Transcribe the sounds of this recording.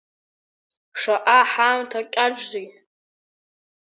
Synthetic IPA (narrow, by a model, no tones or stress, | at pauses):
ʂaʔaħamtʰakʲʼaʈ͡ʂʷzij